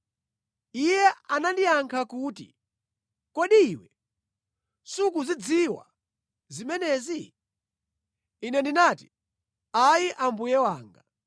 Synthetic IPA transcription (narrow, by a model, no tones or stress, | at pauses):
ijɛanandijaŋkʰakuːtḭ | kɔɗiːwɛ | suk̬uzid͡ziwa̰ | zimɛnɛzi | inɛndinaːti̥ | ajiʔambujɛwaːŋɡa